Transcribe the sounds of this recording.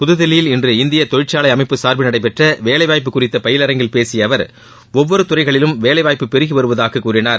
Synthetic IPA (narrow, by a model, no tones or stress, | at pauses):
pʊðɯðɪlɪjɪlɪndrɯɪnd̪ɪjɐt̪ɔɻɪʈt͡ʃːaːlɐɪɐmɐɪpːɯsaːɾbɯnɐɽɐɪpːɛʈrɐʋeːlɐɪʋaːjp̬ːɯkːʊrɪt̪ːɐpɐjɪlɐɾɐŋɡɪlpeːsɪjɐʋɐɾ | ɔʋːɔɾɯt̪ʊrɐɪɣɐɭɪlɯmʋeːlɐɪʋaːjpːɯpɛɾɯɣɯʋɐɾɯʋɐðaːkɐkːuːrɪnaːɾ